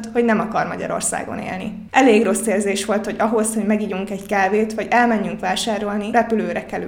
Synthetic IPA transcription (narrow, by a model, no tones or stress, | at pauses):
t̪ho̞ɟnɛmɒkɒrmɒɟɒ̰ɾo̞̰rsa̰ːɡo̞̰nḛːlnḭ | ʔɛleːɡro̞sːeːrzeːʃʋo̞lt̪ho̞ɟɒɦo̞sho̞ɟmɛɡiɟuŋkɛɟkaːveːt̪hɒɟɛlmɛɲːyŋkʋaːʃaːɾo̞lnirɛpyløːɾɛkɛly